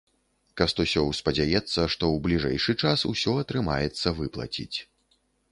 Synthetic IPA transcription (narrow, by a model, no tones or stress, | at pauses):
kɐst̪usʲɔwspɐd͡zʲajɛt̪sːɐʂt̪ɔwblʲiʐɛ̰jʂɨt͡ʂasṵsʲɔɐt̪ɾɨma̰jɛt̪sːɐvɨplˠɐ̰t͡sʲḭt͡sʲ